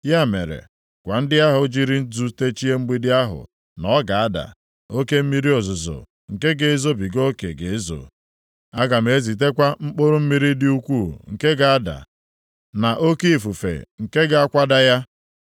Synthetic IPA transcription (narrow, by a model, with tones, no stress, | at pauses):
ja˦˨mḛ˨ɾḛ˨ | kʷa˨n̩˦dɪ˦a˦ɦʊ˨˦d͡ʒi˦ɾi˦n̩˦tu˦te˦t͡ʃi˦e˦ŋ͡m̩˦ɡ͡bi˦dɪ˦a˦ɦʊ̰˨ | nɔ˨˦ɡa˨a˦da̰˨ | o˦ke˦m̩˦mi˦ɾi˦o˨zʊ˨zʊ̰˨ | ŋ̩˨ke˦ɡe˨e˦zo˦bi˨ɡo˦kḛ˨ɡe˨e˦zo̰˨ | a˦ɡa˨m̩˨e˨˦zi˨t̬e˦kʷa˦mŋ͡m̩˦k͡po˦ɾʊ˦m̩˦mi˦ɾi˦dɪ˦u˦kʷuː˦˨ŋ̩˨ke˦ɡa˨a˦da̰˨ | na˨ʔo˦ke˦i˨fu˨fḛ˨ŋ̩˨ke˦ɡa˨a˦kʷa˦da˦ja˦